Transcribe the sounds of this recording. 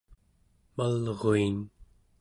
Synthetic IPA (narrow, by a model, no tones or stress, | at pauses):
malʁoin